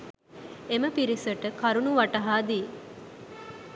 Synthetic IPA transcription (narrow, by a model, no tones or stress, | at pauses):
eməpiɾisɐʈəkʰɐɾunuʋɐʈɐɦaːd̪iː